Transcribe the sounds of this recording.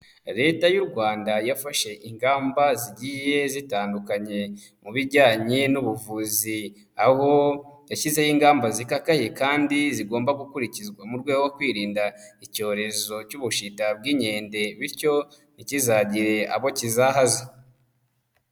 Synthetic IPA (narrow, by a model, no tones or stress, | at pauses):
ɾe̞ːtajuɾɡwaːndajafaʃe̞ʔiŋɡaːmbaziɟije̞zitaːndukaɲe̞ | muβiɾɟaːɲenuβuvuːzi | aho̞jaʃize̞jiŋɡaːmbazikakahikaːndiziɡo̞ːmbaɡukuɾicizɡwamuɾɡwe̞ːɡoɡokwiːɾiːndaico̞ːɾe̞zo̞cuβuʃitab̚ɡiːɲe̞ːnde̞βiɾco̞ | nicizaɟiɾe̞a̰βo̞cizaɦaza